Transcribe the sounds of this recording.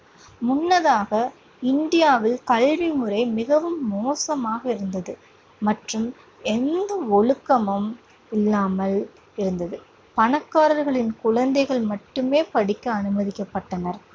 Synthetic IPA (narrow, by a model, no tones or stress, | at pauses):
mʊnːɐðaːɣɐ | ɪnd̪ɪjaːʋɪlkɐlʋimɯrɐɪmɪɣɐʋɯmːoːsɐmaːɣɐɪɾɯnd̪ɐðɯ | mɐʈrɯm | ɛnd̪ɐɔɭɯkːɐmɐm | ɪlːaːmɐl | ɪɾɯnd̪ɐðɯ | pɐnɐkːaːɾɐɾɣɐɭɪnkʊɻɐnd̪ɐɪɣɐɭmɐʈːɯmeːpɐɽɪkːɐɐnɯmɐðɪkːɐpːɐʈːɐnɐɾ